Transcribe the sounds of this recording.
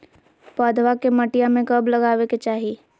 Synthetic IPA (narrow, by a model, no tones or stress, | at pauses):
pəːd̪ʋakemɐʈijamẽkɐblɐɡaːweket͡ʃaːɦi